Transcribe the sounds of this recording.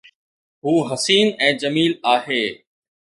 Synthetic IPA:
ɦuːɦɐsiːnɛ̃ːd͡ʑəmiːlaːɦeː

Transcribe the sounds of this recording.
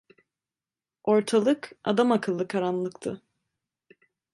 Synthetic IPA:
o̞ɾt̪ʰalˠɯka̰d̪amakʰɯlˠːɯkʰaɾanlˠɯkt̪ʰɯ

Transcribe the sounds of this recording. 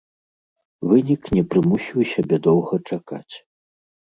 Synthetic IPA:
vɨnʲiknʲɛpɾɨmusʲiwsʲabʲɛd̪ɔwɣɐt͡ʂaka̰t͡sʲ

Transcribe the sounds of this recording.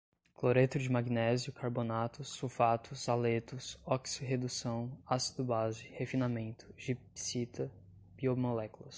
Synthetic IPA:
kloɾet̪ʊd͡ʒɪmaɡinɛziʊkʰaɾbonat̪ʊsufat̪ʰʊsalet̪ʊsɔksʊɦed̪usɐ̃w̃asi̥d̪ʊbazɪhefinamẽnt̪ʊ̥ʒipsit̪ɐ | b̥iomolɛkulɐs

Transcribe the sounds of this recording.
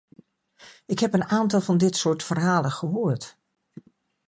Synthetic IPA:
ɪkɦɛpənaːntɑlˠvɑndɪtsʊːɹtfərɦaːlənχəɦoːɹt

